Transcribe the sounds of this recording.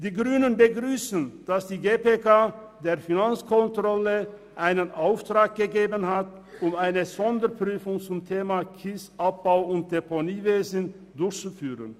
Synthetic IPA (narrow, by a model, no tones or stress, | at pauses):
d̥iːɡʁyːnənbəɡʁyːsən̩d̥asd̥iːɡeːpekaː | deːɐfinant͡skʰɔntʁ̥ɔləʔaɪnənʔaʊftʁ̥aːk̚ɡ̥əɡeːbənhatʊmaɪnəzɔndəpʁ̥yːfʊŋt͡sʊmtʰeːmakʰɪsʔap̚b̥aʊʊnt̚d̥eponiːveːzən̩ | dʊɐçt͡sufyːʁə̰n